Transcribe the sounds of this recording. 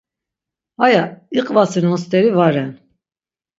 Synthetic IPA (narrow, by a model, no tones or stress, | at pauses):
hajaiqʼvasinɔst̪ʼɛɾivaɾɛn